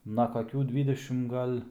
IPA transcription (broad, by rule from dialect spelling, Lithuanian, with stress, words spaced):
nɐ kɐˈkʲuː ˈdʲʋʲiːdʲɛʃʲɪm ˈɡɐlʲ